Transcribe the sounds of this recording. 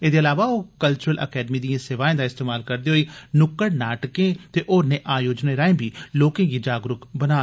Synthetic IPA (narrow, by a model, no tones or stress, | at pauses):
eːd̪eːəlaːʋaːoːkəlt͡ʃʊɾəlʔə̰kɛːɖmiːd̪iãːseːʋaːẽːd̪aːɪst̪eːmaːlkəɾd̪eːɦoiːnʊkːəɽnaːʈkẽːt̪eːʔoːɾneːʔaːjoːd͡ʒneːɾaːẽbʱiːloːkẽːɡiːd͡ʒaːɡɾʊkbənaː